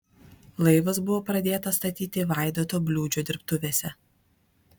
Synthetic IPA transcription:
lˠɐɪʋɐsbʊʋoːpɾɐd̪ʲeːt̪ɐst̪ɐt̪ʲiːt̪ʲɪʋɑˑɪd̪oːt̪oːbʲlʲuːd͡ʒʲoːd̪ʲɪɾpt̪ʊʋʲeːsʲɛ

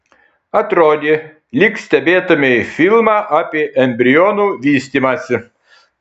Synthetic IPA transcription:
ɐt̪ɾoːd̪ʲɪ | lʲiksʲt̪ʲɛbʲeːt̪ɐmʲefʲilˠmɑʔapʲiːʔɛmʲbʲɾʲɪonuʋʲiːsʲt̪ʲimɐsʲɪ

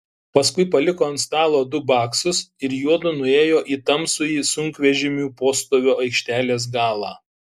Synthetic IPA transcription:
pɐskʊɪpɐlʲɪkoːɐnt̪st̪ɑːlˠoːd̪ʊbɑːksʊsɪɾjuɔd̪ʊnʊeːjoːʔiːt̪ɐmsʊjiːsʊŋʲkʋʲɛʒʲɪmʲuːpoːst̪oːʋʲoːɐɪkʃʲt̪ʲæːlʲeːs̬ɡɑːlˠɑ̰ː

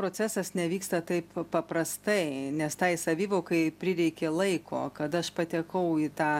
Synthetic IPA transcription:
pɾoːt͡sʲæːsɐsnʲɛʋʲiːkst̪ɐt̪ɐɪppɐpɾɐst̪ɐɪnʲɛst̪ɐɪsɐʋʲiːʋoːkɐɪpʲɾʲɪɾʲɛɪkʲeːlˠɐɪkʰo̰ːkɐt̪ɐʃpɐt̪ʲɛkɐʊit̪ɑː

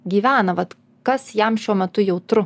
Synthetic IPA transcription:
ɡʲiːʋʲæːnɐʋɐt̪ | kɐsjɛmʃʲuɔmʲɛt̪ʊjɛʊt̪ɾʊ

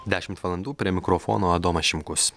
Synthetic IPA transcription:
d̪ʲæːʃʲɪmt̪ʋɐlˠɐnd̪uːpʲɾʲiɛmʲɪkɾɔfɔ̰ːnoːɐd̪oːmɐʃʲɪmkʊs

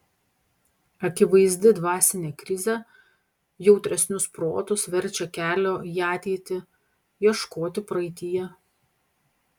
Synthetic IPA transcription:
ɐkʲɪʋɐɪzʲd̪ʲɪd̪ʋɑːsʲɪnʲeːkɾʲɪzʲe | jɛʊt̪ʲɾʲɛsʲnʲʊspɾo̰ːt̪ʊsʋʲɛɾʲt͡ʃʲɛkʲæːlʲoːiɑːt̪ʲɛːt̪ʲɪ | jiɛʃkoːt̪ʲɪpɾɐɪt̪ʲɪjɛ

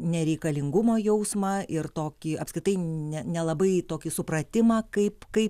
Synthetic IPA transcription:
nʲɛɾʲɛɪkɐlʲɪŋɡʊmoːjɛʊsmɐʔɪrt̪oːkʲɪɐpsʲkʲɾʲɪt̪ɐɪnʲɛnʲɛlˠɐbɐɪt̪oːkʲɪsʊpɾɐt̪ʲɪmɑːkɐɪpkɐɪp

